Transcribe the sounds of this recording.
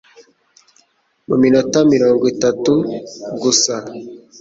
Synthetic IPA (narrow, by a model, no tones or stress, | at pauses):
muminotamiɾoːŋɡwitatuɡusa